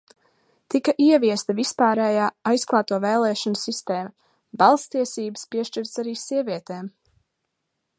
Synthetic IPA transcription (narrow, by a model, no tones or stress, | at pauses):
t̪ikɐʔiɛviɛst̪ɐvispaːɾɛjaːajsklˠɑːt̪uɔvɛːlˠɛːʃɔnsist̪eːmɐ | balˠst̪iɛsiːbə̥spiɛʃt͡ʃiɾt̪saɾiːsiɛviɛt̪eːm